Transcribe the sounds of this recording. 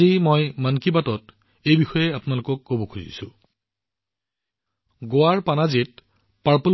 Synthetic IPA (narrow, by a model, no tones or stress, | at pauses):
imojmankibatɔt | ejbixɔjɛapʊnalʊkɔkːobɔkʰuzḭsʊ̃ | ɡoaɹpanazit̚ | paɹpo